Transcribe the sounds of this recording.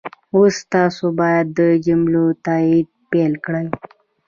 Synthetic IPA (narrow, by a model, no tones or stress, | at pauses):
osːt̪ɑsobɑjad̪ːəd͡ʒʊmlot̪ɑid̪̚pelkɽəj